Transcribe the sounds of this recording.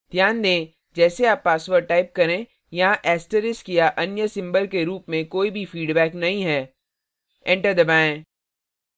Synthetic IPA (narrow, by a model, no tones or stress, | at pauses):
d̪ʱjaːnd̪ẽː | d͡ʒɛːseaːpːaːsʋəɾʈaːɪp̚kɐɾẽ | jɐɦãʔɛːsʈəɾɪskijaʔɐnjəsɪ̃mbəlkeɾuːpmẽkoːibʱifiːɖbɛːknɐɦĩɦɛː | ɛ̃ɳʈəɾd̪ɐbaːẽː